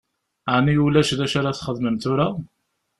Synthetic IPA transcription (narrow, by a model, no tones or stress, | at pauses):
ʕnijulæʃðæʃaɾaθχəðməmt̪ʊɾa